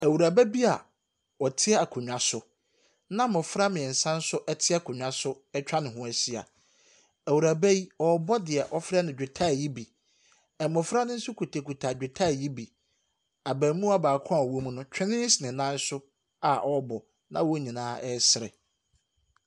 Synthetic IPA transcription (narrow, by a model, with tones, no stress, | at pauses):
æ˨wu˨ɾa˨bæ˦bi˦a˨ | ɔ˨tʰɪ˦ɛ˦a˨kʰʊ̃˨ɲᶣ˨ã˨sʊ˦ | nã˦mʊ̃˨fɾa˦mɪ̃˨ɛ˨n̩˨sã˦n̩˦sʊ˦ʔɛ˦tʰɪ˦ɛ˦kʰʊ˨ɲᶣã˦sʊ˦ | ɛ˦t͡ɕᶣa˦nɪ̃˨hʊ̃˦æ˨si˦a̰˨ | æ˨wu˨ɾa˨bæ˦ji˦ɔ˨bɔ˦dɪ˨ɛ˨ʔɔ˦fɾɛ˦nɪ̃˨d͡ʑᶣɪ˨tʰa˦˨ji˦bi˨ | ɛ˨mʊ̃˨fɾa˦nʊ̃˦n̩˦sʊ˦kʰu˨tʰa˨kʰu˨tʰa˨d͡ʑᶣɪ˨tʰa˦˨ji˦bi˨ | a˨bæ̃ː˨mũ˦a˦baː˨kʰɔ̃˦a˨wo˦mũ˦nʊ̃˦t͡ɕᶣʰɪ˦nɪ̃˦sɪ˨nɪ̃˨nã˦n˦sʊ˦ | a˨ʔɔ˦bɔ˨ | nã˦wo˦ɲĩ˨nãː˦ɛ˦sɪ˨ɾɛ̰˨